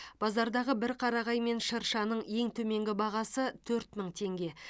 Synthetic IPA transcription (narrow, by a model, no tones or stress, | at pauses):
b̥ɑzɑɾd̪ɑʁəbɪɾqʰɑɾɑʁɑjme̞nʃəɾʃɑnəɴje̞ŋt̪ʰɵme̞ŋɡʲɪbɑʁɑsət̪ʰɵɾt̪məɴt̪ʰe̞ŋɡʲe̞